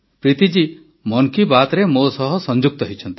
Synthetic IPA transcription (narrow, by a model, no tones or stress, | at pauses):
pɾit̪id͡ʒi | mɔŋkibat̪ɾemosɔɦɔsɔnd͡ʒuk̚t̪ɔɦit͡ʃʰɔnt̪i̥